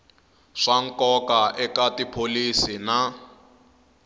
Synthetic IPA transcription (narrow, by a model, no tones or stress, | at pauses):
ʂaŋ̩kɔkaʔɛkatipʰolisina